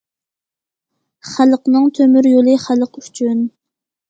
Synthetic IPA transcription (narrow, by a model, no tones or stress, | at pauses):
χælˠəqnɨŋt̪ʰømyɾjolˠɨχælˠəqyt͡ʃʰyn